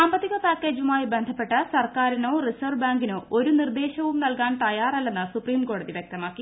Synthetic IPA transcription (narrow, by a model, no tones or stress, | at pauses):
saːmbɐt̪ːiɣɐpaːkːe̞ːd͡ʑumaːjibe̞nd̪ʱɐpːe̞ʈːɐsɐrkaːɾino̞ːrisɐʋbaːŋɡinɨo̞ɾunird̪eːɕɐʋumnɐlkaːnt̪ɐjaːrɐlːe̞nːɨsupriːmko̞ːɽɐðiʋjek̚t̪ɐmaːkːi